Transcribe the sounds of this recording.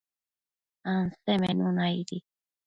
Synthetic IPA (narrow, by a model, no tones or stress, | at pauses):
ansɛmenunaid̪i